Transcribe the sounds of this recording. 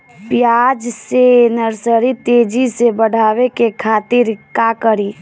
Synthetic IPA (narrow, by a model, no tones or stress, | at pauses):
pjad͡ʒsenəɾsəɾit̪ed͡ʒisebəɽ̤ʱaʋekekʰat̪iɾkakəɾi